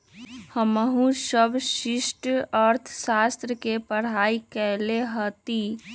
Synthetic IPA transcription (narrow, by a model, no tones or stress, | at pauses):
həməɦũsəbʱʃɪsʈəɾt̪ʰsaːst̪ɾəkepəɽ̤aːikɛɦleɦət̪i